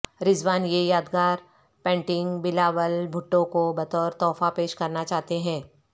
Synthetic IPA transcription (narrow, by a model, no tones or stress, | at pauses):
ɾɪzʋaːnjejaːd̪ɡaːɾ | pɛ̃ːɳʈɪ̃ŋɡbɪlaːʋəlbʱʊʈːõkobɐt̪ɔːɾt̪ɔːfapeːʃkɐɾnat͡ʃaːɦt̪eɦɛ̃ː